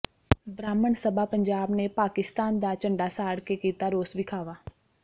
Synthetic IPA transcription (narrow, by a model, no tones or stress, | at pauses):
bɾaːməɳsəbʱapə̃ɲd͡ʒaːbnepaːkɪst̪aːnd̪at͡ʃə̃ɳɖasaːɽkekiːt̪aɾoːsbɪkʰaːʋaː